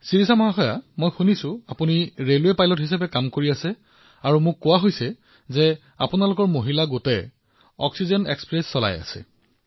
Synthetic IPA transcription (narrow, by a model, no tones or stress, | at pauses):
siɹisamɔɦaxɔjamojxunisʊapuniɹelwepajlɔtɦisapɛkamkoɹiasɛ | aɹumʊkːʊwaɦojsɛ | zɛ | a̰punalʊkɔɹmoɦilaɡotɛ | ɔ̰ksizɛnḛkspɹesːɔla̰ja̰sɛ̰